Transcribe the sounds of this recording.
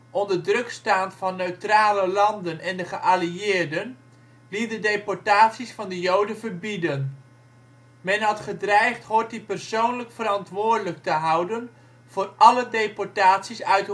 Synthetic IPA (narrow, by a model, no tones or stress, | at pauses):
ʔɔndəɹdrɵkstaːntfɑnːøɥtraːləlɑndənʔɛndəχəʔaliɪːɹdən | lit̚dədejpɔɹtaːtsisfɑndəjowdəvərbidən | mɛnɦɑtχədrɛjχtɦoːt̚dipɛrsownləkfəɾɑntʋʊːɹdələk̚təɦɑwdən | v̥ʊːrʔɑlədejpɔɹtaːtsisœɥt